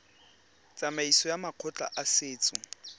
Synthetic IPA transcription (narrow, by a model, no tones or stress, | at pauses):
t͡sʼamaisɔjamaq͡χʰɔt͡ɬʼa̰ʔasɪːt͡sʼʊ